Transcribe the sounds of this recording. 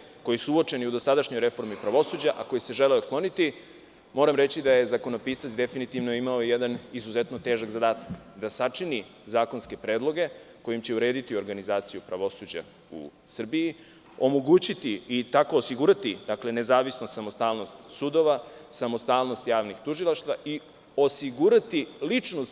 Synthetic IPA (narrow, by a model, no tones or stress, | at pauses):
ko̞jisuuo̞t͡ʂe̞niud̪o̞sad̪aʃɲojɾe̞fo̞ɾmipɾaʋo̞suːd͡ʑaʔako̞jise̞ʒeleod̪klˠo̞nit̪i | mo̞ːɾamɾe̞t͡ɕid̪aje̞zako̞nopiːsat̪sd̪e̞finit̪iʋnoimaojed̪anizuzet̪no̞t̪e̞ːʒaɡzad̪aːt̪ḁkd̪asat͡ʂini | zaːkonske̞pɾeːd̪lˠo̞ɡe̞ | ko̞jimt͡ɕe̞uɾe̞ːd̪it̪io̞ɾɡanizaːt̪sijupɾaʋo̞suːd͡ʑa̰ | ṵsr̩bii | o̞moɡuːt͡ɕit̪iːt̪ako̞ːsiɡuɾat̪id̪akle̞ne̞zaːʋisnost̪samo̞st̪aːlˠno̞st̪sud̪o̞ʋasamo̞st̪aːlˠno̞st̪jaːʋnixt̪uʒilˠaʃt̪vʋaʔi | o̞siɡuɾat̪ilit͡ʂnos